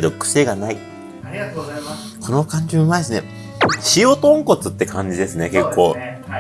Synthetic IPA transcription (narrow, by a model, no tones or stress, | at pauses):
d̪okɯ̟̥se̞ɡanai | kʰo̞no̞kãɲ̟d͡ʑiɯmaid̪esɨne̞̰ | ɕio̞t̪õ̞ŋko̞t͡sɨt̪ːe̞kʰãɲ̟d͡ʑid̪e̞sɨne̞ke̞kʰːo̞̰ː